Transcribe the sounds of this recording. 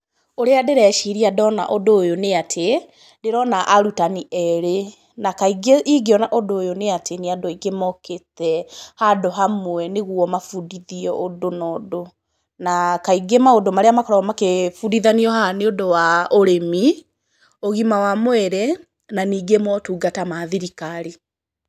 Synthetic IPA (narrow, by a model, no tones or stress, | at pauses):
oɾeadeɾɛʃiɾiadɔna̰ʔodoːjoneatʰe | deɾɔnaʔaɾutaniɛɾe | nakaiɡeiɡeɔnaʔodoːjoneatʰeneadoiɡemɔketɛhadɔɦamwɛneɣuɔmafudiðiɔʔodonɔdo | nakaiɡemaodomaɾeamakɔɾaɔmakefudiðaniɔhaneodowaoɾemi | oɣimawamwɛɾɛ | naniːɡemɔtuːɡatamaːðiɾikaɾi